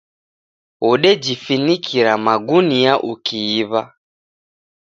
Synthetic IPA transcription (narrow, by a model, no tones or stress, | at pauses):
uɗɛd͡ʒifinikʰiɾamaɡuniaʔukʰiːβa